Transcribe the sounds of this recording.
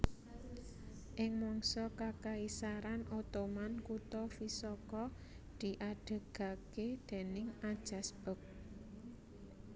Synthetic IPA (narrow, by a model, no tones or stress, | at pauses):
ʔɪŋmɔŋsɔkakaisaɾanʔot̪omankut̪ɔfisɔkɔ | d̪̥i̤ʔaɖ̥ə̤ɡ̥a̤ked̪̥e̤nɪŋad̥ʒ̥a̤sb̥ə̤k̚